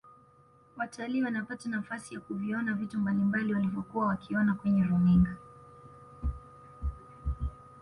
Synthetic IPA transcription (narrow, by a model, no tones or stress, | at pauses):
wataliːwanapatanafasijakuviɔnavitumbalimbaliwalivjɔkuwawakiɔnakwɛɲɛɾumiŋɡa